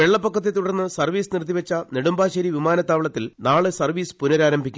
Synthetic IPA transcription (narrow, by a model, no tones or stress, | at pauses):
ʋe̞ɭːɐpːɐkːɐt̪ːe̞t̪uɽɐrnːɨsɐrʋiːsɨnirt̪̬ːiʋɐt͡ɕːɐneɽumbaːɕɐɾiʋimaːnɐt̪ːaːʋiɭɐt̪ːilnaːɭɨsɐrʋiːsɨ̥punɐɾaːɾɐmbʱikʲːu